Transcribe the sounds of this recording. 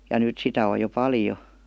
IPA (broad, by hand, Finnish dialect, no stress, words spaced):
jɑ nyˑt sitæ o jo pɑljo